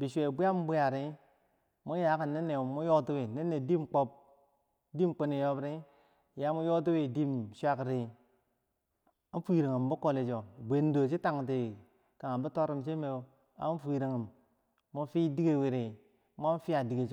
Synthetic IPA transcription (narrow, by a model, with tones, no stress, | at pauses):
bi˨ʃʷe˨bi˦a˦m˦bu˦ja˨ɾi˦ | mu˦ja˨˦ka˨ne˦nːe˨mu˦jo˦ti˦wi˨ne˦nːe˨di˦mk͡po˦p̚ | di˦mk͡po˦ni˨jo˦bɾi˦˨ | ja˦mu˦jo˦t̬u˦wi˨di˦mʃʷa˦kɾi˨ | a˦fi˨ɾi˨ŋi˨mbu˦ko˦li˨t͡ʃo˨bʷe˨ndo˨t͡ʃ̬i˦ta˨ŋ˨ti˨ | ka˨a˨bu˦to˦ɾi˦˨mt͡ʃi˦me˨˦ | a̰˦n˦fi˨ɾi˨ŋi˨mː | u˦fi˦di˦ɡe˦˨wi˨ɾi˨ | m˦a˦fi˦a˨di˨ɡe˨t͡ʃ